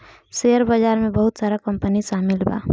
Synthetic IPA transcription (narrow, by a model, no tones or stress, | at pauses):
seəɾbəd͡ʒaːɾmẽbəɦʊt̪saːɾakəmpəniʃaːmilba̰